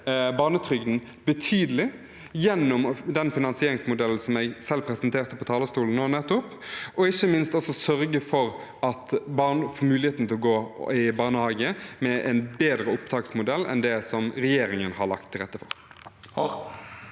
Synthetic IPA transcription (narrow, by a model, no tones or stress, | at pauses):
bɑːnət̪ʰɾʏɡd̪n̩ | bət̪ʰyːd̪əlɪ | jɛnːɔmd̪ɛnfɪnɑnsɪeːɾɪŋsmʊd̪ɛln̩sɔmæɪɡsɛlːpʰɾɛsənt̪ʰeːɾt̪əpʰɔt̪ʰɑːləst̪uːlən̩noːnɛt̪ːʊp | ʔɔɪçːəmɪnst̪ɔsɔsœɾɡəfɔɾ | ɑt̪bɑːnəfoɾmʉːlɪeːt̪n̩t̪ʰɛlɔɡoːɪbɑːnəhɑːɡəmɛʔɛ̰ɪnbeːd̪ɾəʊpt̪ʰɑːksmʊd̪ɛlːɛ̰nd̪ɛsɔmɾɛjeːɾɪŋənhɑɭɑ̰kt̪ʰːɪlʁɛt̪ːəfɔ̰ɾ